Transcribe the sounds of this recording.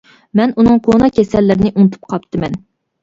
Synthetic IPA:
mɛnunɨŋqʰonɑkʲʰɛsɛlːɪɾɪnɪʔunt̪ʰu̥p̚qʰɑp̚t̪ʰɨmɛn

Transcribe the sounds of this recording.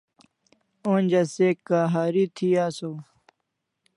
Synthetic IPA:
oːnʲd͡ʑɐseːkːaːɦaːɾit̪ʰiːaːsoː

